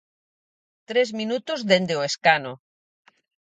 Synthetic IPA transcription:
t̪ɾezminut̪ozðend̪eoeskano

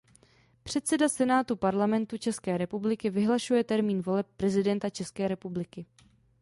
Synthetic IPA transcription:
pr̝̥ɛt̪sɛdasɛnaːt̪upaɾlamɛnt̪ut͡ʃɛskɛːɾɛpublɪkɪvɪɦlaʃujɛt̪ɛɾmiːnvo̞lɛpːɾɛzɪdɛnt̪at͡ʃɛskɛːɾɛpublɪkɪ

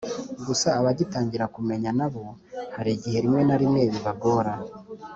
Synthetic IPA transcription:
ɡusaːβaɟitaːɲɟiɾakume̞ɲanaβo̞haɾiɟihe̞ɾimwe̞naɾimŋe̞ːβiβaɡo̞ːɾa

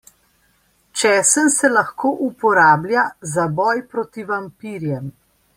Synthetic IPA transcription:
t͡ʃɛːsənsɛlaxkoːʔupɔɾaːbljazabɔːjpɾoːt̪iʋampiɾjɛm

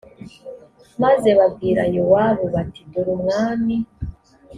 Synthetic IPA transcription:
maze̞βabɡiːɾa̰jowaβoβatiduɾumŋaːmi

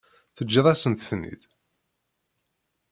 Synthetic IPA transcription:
θəd͡ʒːðˤæsənt̪θnḭð

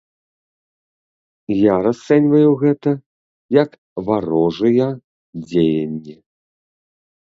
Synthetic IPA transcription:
jaɾast̪sɛnʲvɐjuɣɛt̪ɐ | jɐk | vaɾɔʐɨjɐ | d͡zʲejɐnʲːɛ

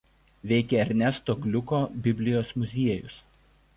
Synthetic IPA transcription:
ʋʲɛɪkʲɛɐɾʲnʲɛst̪oːɡlʲʊkoːbʲɪbʲlʲɪjoːsmʊzʲiɛjʊs

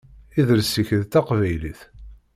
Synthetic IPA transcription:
iðəɾsiçəðt̪ɑqvæjliθ

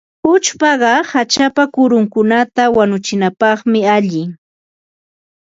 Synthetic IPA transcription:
ʊt͡ʃpɑɢɑhat͡ʃapakʊɾʊŋkʊnat̪awanʊt͡ʃɪnapɑχmɪaʎɪ

